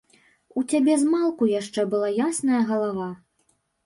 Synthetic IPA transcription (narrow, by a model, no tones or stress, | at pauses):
ut͡sʲabʲɛzmalˠkujaʂt͡ʂɛbɨlˠajasnɐjɐɣɐlˠava